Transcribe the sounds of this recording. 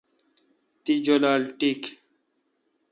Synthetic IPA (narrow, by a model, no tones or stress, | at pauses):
t̪id͡ʑolaːlʈik